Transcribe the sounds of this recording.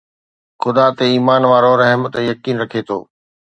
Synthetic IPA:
xʊd̪at̪eiːmaːnʋaːɾoɾɐɦmt̪jɐkiːnɾɐkʰet̪ʰo̰ː

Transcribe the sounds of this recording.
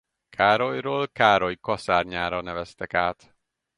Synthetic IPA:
kʰaːɾojroːlkaːɾojkɒsaːrɲaːɾɒnɛvɛst̪ɛkaːt̪

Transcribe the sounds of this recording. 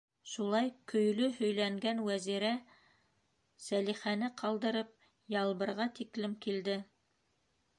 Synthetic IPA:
ʃulˠɑjkʰɵ̆jlɵhɵ̆jlæŋɡænwæziɾæ | sæliχænɘqʰɑlˠd̪ɤ̆ɾɤp̚ | jɑlˠβɤ̆ɾʁɑt̪iklɘmkild̪ɘ

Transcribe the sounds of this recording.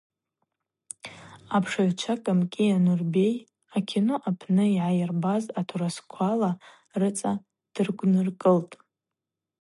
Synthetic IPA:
apʰʂaʕʷt͡ʃʷʰakʼamkʲʼianurbe̞j | akʲʰinoʔapʰnɨiʕajɪrbazatʰoɾaskʷʰala | rɨt͡sʼa | d̥ɨrɡʷnɨrkʼɨltʼ

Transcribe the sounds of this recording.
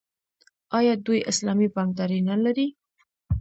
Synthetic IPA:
ɑjɑd̪ujɪslɑmibɑmd̪ɑɾenalaɾi

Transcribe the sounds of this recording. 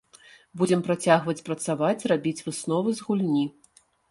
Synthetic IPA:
bud͡zʲɛmpɾat͡sʲaɣvɐt͡sʲpɾɐt̪savat͡sʲrabʲit͡sʲvɨsnɔvɨzɣulʲnʲi

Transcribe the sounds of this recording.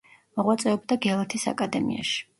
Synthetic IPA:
mɔʁwat̪sʼɛɔbd̪aɡɛlˠat̪ʰisa̰kʼad̪ɛmḭa̰ʃi̥

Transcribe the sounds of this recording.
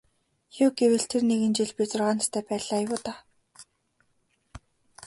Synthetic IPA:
jʊːɡewɘ̆ɬt̪ʰerneɣɘ̆nt͡ɕiɮpit͡sʊrʁaːnt̪t̪ʰæːpæːɮaːjwʊːt̪aː

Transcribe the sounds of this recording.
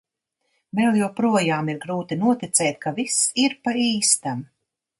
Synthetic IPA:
mɛlˠjawpɾuɔjaːmiɾɡɾuːt̪inuɔt̪it̪sɛːt̪kʰavisiɾpaiːst̪am

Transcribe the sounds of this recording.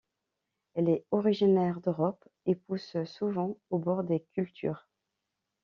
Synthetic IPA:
ɛlɛɔʁiʒinɛʁd̪øʁɔp | epussuvɑ̃obɔʁd̪ekʲylt̪ʰy̰ːʁ

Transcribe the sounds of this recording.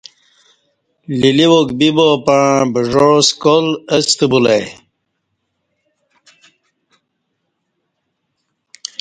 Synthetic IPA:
liliwokbibopaɻãbəʐoskoləst̪əbulaj

